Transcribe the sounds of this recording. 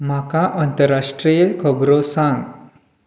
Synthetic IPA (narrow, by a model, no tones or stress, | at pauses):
m̤akãʔənt̪əɾːaʂʈɾijəlkʰəbɾosãŋɡ